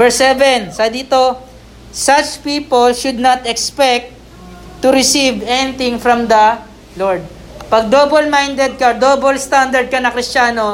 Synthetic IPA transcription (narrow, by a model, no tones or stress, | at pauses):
vɛɹsɛvɛnsɐd̪iːt̪o | sɐt͡ʃpiːpolʃʊd̪̚nat̪ɛkspɛk̚t̪ː | ʊɾɪsivɛnɪt̪ɪ̃ŋfɹɐ̃md̪ɐ | loɹd̪̚ | pɐɡ̚d̪obolmajnd̪ɛd̪̚kɐd̪obolst̪and̪ɐɹd̪̚kɐnɐkɾɪst͡ʃaːno